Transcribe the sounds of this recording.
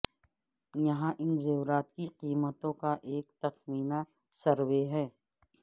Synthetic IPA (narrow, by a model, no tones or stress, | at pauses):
jɐɦãʔɪnzɐɾaːt̪̚kiqiːmət̪õkaʔeːkt̪ɐxmiːna | sɐɾweɦɛː